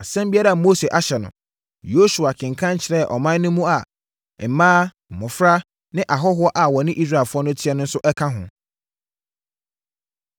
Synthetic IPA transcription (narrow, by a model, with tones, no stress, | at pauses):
a˨sɛ̃˦mbi˦ɛ˦ɾɛ˨a˨mo˦se˨ʔa˨ɕɛ˨nʊ̰̃˨ | jo˦su˨a˨kʰɪ̃˨ŋ˨kʰã˦ɲ˦t͡ɕʰɪ˨ɾɛ˦˨ʔɔ˨mã˦nʊ̃˦mũ˦a˨ | m̩˨mãː˦ | m̩˨mʊ̃˨fɾa˦ | nɪ̃˦ʔa˨ɦɔ˦ɦʊ˦ɔ˦ʔa˨wɔ˨nɪ̃˦ʔi˦s̬ɾa˨fʊ˦ɔ˦nʊ̃˦tʰɪ˦ɛ˦nʊ̃˦n̩˦sʊ˦ʔɛ˦kʰã˦ɦʊ̰̃˨